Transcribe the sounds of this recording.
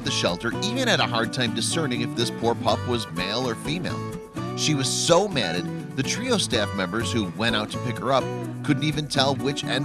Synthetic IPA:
ðɨʃɛ̰lˠtə˞ʔivɨ̃ñɨɾəɦɑɹd̚tʰãɪ̃mdɨsɜ̃˞nɪ̃ŋɨfðɪspʰuɹpʰʌpwʌzmeɪlˠə˞fimeɪlˠ | ʃiwʌz̥soʊmæɾɨd̪̚ðɨtʰɹ̥ioʊstæfmɛ̃mbə˞z̥huwɛ̃ɾ̃aʊtʰə̥pɪkhə˞ʌp̚kʰʊdⁿn̩tivɨ̃ntʰɛlˠwɪt͡ʃɛ̰̃n

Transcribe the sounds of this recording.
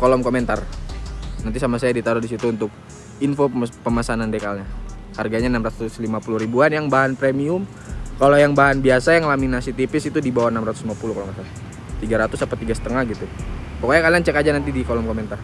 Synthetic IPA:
kolɔmkoment̪ar | nant̪isamasajadit̪aɾɔdisit̪uːnt̪ʊk̚ | infopəmasanandekalɲa | harɡaɲanamɾat̪ʊslimapuluɾibuanjaŋbaɦanpɾemiʊm | kalojaŋbaɦanbiasajaŋlaminasit̪ipɪsit̪udibawanamɾat̪ʊ̥slimapuluhklɔmasan | t̪iɡaɾat̪ʊsapat̪iɡasə̥t̪əŋahɡit̪upokojakaliant͡ʃɛkad͡ʒanant̪idikolɔmkoment̪ar

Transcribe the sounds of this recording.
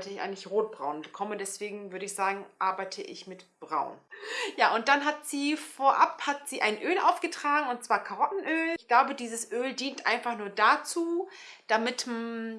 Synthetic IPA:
təɪça̰ɪɡəŋlɪçʁoːt̚b̥ʁaʊnbəkʰɔmədɛsv̥eːɡŋ̩vʏɐɾəɪçz̥aːɡŋ̩ʔaɐbaɪtʰəʔɪ̰çmɪtb̥ʁa̰ʊnjaːʔʊnt̚d̥anɦatz̥iːfoːɐʔaphatz̥iːʔa̰ɪnʔøːlʔa̰ʊfɡ̥ətʁ̥aːɡŋ̩ʊntt͡sv̥aːɐkʰaʁɔtn̩ʔøːlçɡ̥laʊbədiːzəsʔøːldiːntʔa̰ɪnfaχnuːɐdat͡suː | d̥amɪtm

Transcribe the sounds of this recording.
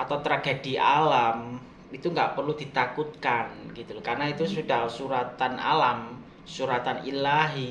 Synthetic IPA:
at̪awt̪ɾaɡediʔalam | it̪uŋɡaʔpərlud̪̥it̪akut̪̚kanɡit̪ulkarnait̪usudahsuɾat̪anʔa̰lam | suɾat̪anilaɦi

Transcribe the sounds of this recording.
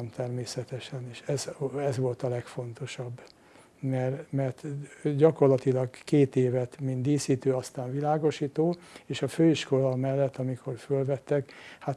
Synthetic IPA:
nt̪ɛrmeːsɛt̪ɛʃɛneːʃɛzɛzʋo̞lt̪ɒlɛkfo̞nt̪o̞ʃɒbː | mɛrmɛrt̪ɟɒko̞rlɒt̪ilɒɡkeːt̪eːvɛt̪mind̪d̪iːsiːt̪øːɒst̪aːɱvilaːɡo̞ʃiːt̪oːeːʃɒføːiʃko̞lɒmɛlːɛt̪ːɒmikʰo̞rfølvɛt̪ːɛkha

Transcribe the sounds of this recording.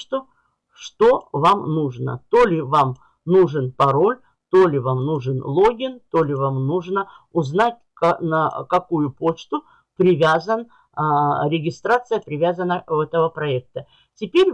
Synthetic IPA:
t̪ʊ | ʂt̪o̞vamnuʐnə̰t̪olʲɪvam | nuʐɨnpɐɾo̞lʲ | t̪olʲɪvamnuʐɨnlˠo̞ɡʲɪnt̪olʲɪvamnuʐnə | ʊznatʲknəkɐkujʊpo̞t͡ɕt̪ʊ | pɾʲɪvʲazən | ɾʲɪɡʲɪst̪ɾat̪sɨjəpɾʲɪvʲazənːəɛt̪əvəpɾɐɛk̚t̪ə | tʲɪpʲeɾʲ

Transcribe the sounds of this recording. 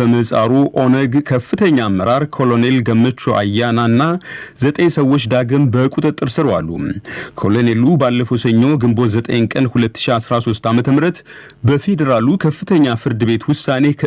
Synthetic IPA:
əməsʼa̰ɾuʔonəɡkʰəfːɨt̪ʰəɲːamːəɾaɾkʰo̞lo̞ne̞lɡəmːət͡ʃːoʔa̰jːananːazət̪ʼeɲsəwːo̞t͡ʃːd̪aɡɨmbəkʼut̪ʼɨt̪ʼːɨɾsɨɾwa̰lːṵkʰo̞lo̞nelubalːəfəwsəɲːo̞ɡɨmbo̞zət̪ʼə̰jnkʼənhulət̪ːɨ̥ʃiasɾaso̞st̪amət̪ʰəmɾət̪ | bəfe̞d̪əɾalukʰəfːɨt̪ʰəɲːafɨɾd̪ɨbe̞t̪wʊsane

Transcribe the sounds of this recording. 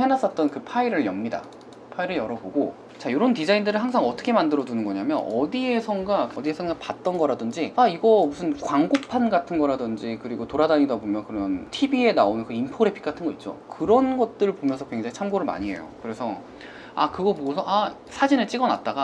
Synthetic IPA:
henas͈ʌt̚t͈ʌnkɯpʰaiɾɯɭjʌmɲida̰ | pʰaiɾɯɭjʌɾʌboɡo | t͡ɕajoɾontid͡ʑaindɯɾɯɭɦaŋsʰaŋʌt͈ʰʌkʰemandɯɾʌdunɯnɡʌɲamjʌ̰nʌdie̞sʰʌŋɡaʌdiesʰʌŋɡapat̚t͈ʌnɡʌɾadɯnd͡ʑiaiɡʌmusʰɯnkwaŋɡopʰanɡatʰɯnɡʌɾadɯnd͡ʑikɯɾiɡotoɾadaɲidabomjʌnkɯɾʌntʰibie̞naonɯnkɯinpʰoɾepʰi̥k͈atʰɯnɡʌit̚t͡ɕ͈o̰kɯɾʌnɡʌt̚t͈ɯɭpomjʌnsʰʌkwe̞ŋd͡ʑaŋit͡ɕʰamɡoɾɯɭma̰ɲie̞̰jo̰kɯɾe̞sʰʌ | a̰kɯɡʌpoɡosʰʌʔa | sʰad͡ʑinɯt͡ɕ͈iɡʌna̰t̚t͈aɡa

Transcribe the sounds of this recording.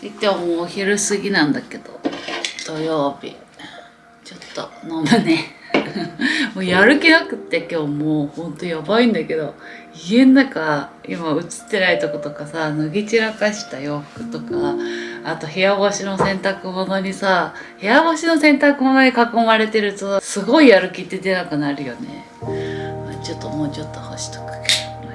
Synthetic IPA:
it̪ːeomoːçiɾɯ̟sɨɡʲinãnd̪ake̞d̪̥o̞̰d̪̥o̞jo̞ːbʲḭ | t͡ɕo̞t̪ːo̰nomane | moːjaɾɯ̟kʲinakɯ̟t̪ːekʲo̞ːmoːhõ̞nt̪o̞jabaĩnd̪ake̞d̪o̞ | iẽnːakaḭmaɯ̟t͡sɨ̥t̪ːe̞nait̪o̞ko̞t̪o̞kasanoɡʲit͡ɕiɾakaɕi̥t̪ajo̞ːɸɯ̥kɯ̟̥t̪o̞kaː | t̪o̞ɦe̞jabo̞ɕino̞sẽ̞nt̪akɯ̟mo̞no̞ɲ̟isa | he̞jaβoɕino̞sẽ̞nt̪akɯ̟mo̞no̞ɲ̟ikako̞maɾe̞t̪e̞ɾɯ̟t̪osɨɡo̞ijaɾɯ̟kʲit̪ːe̞d̪e̞nakɯ̟naɾɯ̟jo̞ne̞̰ | at͡ɕo̞t̪ːo̞mo̞ːt͡ɕo̞t̪ːo̞hoɕi̥t̪o̥kɯ̟̥k

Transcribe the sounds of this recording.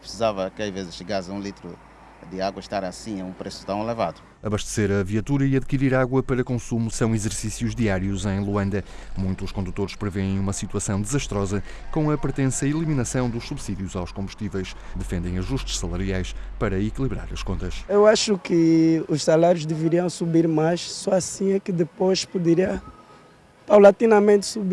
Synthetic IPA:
pɾɨ̥sizavɐkɐjvezɨʃɨɣasɐũlˠit̪ɾṵ | d̪ɨaɣwɐʃt̪aɾasĩẽũpɾesu̥t̪ɐ̃w̃elˠevaðu | ɐβɐʃt̪ɨ̥seɾɐviɐt̪uɾɐiɐðkiɾiɾaɣwɐpɐɾɐkõsumusɐ̃w̃izɨɾsisiuʒðiaɾiuzẽj̃lˠuɐ̃nd̪ɐ | mũj̃t̪ːʃkõnd̪ut̪oɾʃpɾɨveẽj̃umɐsit̪uɐsɐ̃w̃d̪ɨzɐʃt̪ɾɔzɐ | kõɐpɾt̪ẽsɐilˠiminɐsɐ̃w̃d̪uʃsuβsiðjuzawʃkõmbuʃt̪ivɛjʃ | d̪ɨfẽnd̪ɐ̃j̃ɐʒuʃt̪ʃsɐlˠɐɾiajʃpɐɾɐikilˠiβɾa̰ɾɐʃkõnt̪ɐʃewaʃukɨuʃsalaɾjuʒd̪ɨvɨɾiɐ̃w̃subiɾmajʃsɔasĩɐkɨd̪ɨpojʃpud̪ɨɾiɐ | pawlat̪inɐmẽnt̪subi

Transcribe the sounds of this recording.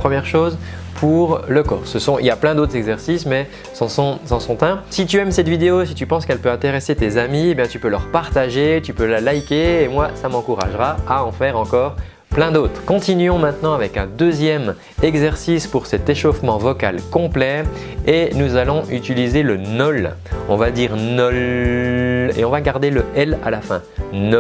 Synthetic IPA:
pχəmjɛʁʃozpʰuʁləkɔ̰ːʁsəsɔ̃ḭljaplɛ̃d̪ot̪χɛɡzɛʁsismɛ | sɑ̃sɔ̃sɑ̃sɔ̃t̪ɛ̃sit̪̬yɛmsɛt̪vid̪eosit̪ypɑ̃skɛlpøɛ̃t̪eʁeset̪ezamiebjɛ̃t̪ypølœʁpaʁt̪aʒet̪ypølalajkʲeːmwasamɑ̃kuʁa̰ʒʁaaɑ̃fɛʁɑ̃kɔːʁ | plɛ̃d̪oːt̪χkɔ̃t̪inɥɔ̃mɛ̃t̪nɑ̃avɛkɛ̃d̪øzjɛm | ɛɡzɛʁsispuʁsɛt̪eʃofmɑ̃vɔka̰lkɔ̃plɛ | enuzalɔ̃ʔyt̪ilizelənɔl | ɔ̰̃vad̪iːʁnɔl | ḛɔ̃vaɡaʁd̪eləʔɛla̰lafɛ̰̃nɔ

